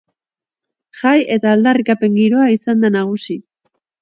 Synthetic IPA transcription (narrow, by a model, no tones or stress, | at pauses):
ʝaje̞t̪aːld̪arikape̞ŋɡiɾo̞aisand̪anaɣ̞usi